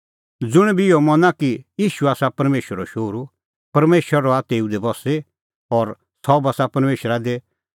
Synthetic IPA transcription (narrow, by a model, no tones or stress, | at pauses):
d͡zʊɽ̃ɛbiɪɔmɐnakijiːʃuaːsapɐɾmeːʃəɾɔʃoːɾu | pɐɾmeːʃəɾaɾɔaːt̪eːud̪ebɔse | ɔɾ | sɔbaːsapɐɾmeːʃɾad̪e